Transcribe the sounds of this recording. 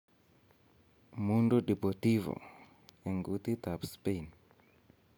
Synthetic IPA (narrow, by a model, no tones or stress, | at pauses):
mundoɗipɔt̪ivɔ̰ | ɛŋɡut̪it̪apspen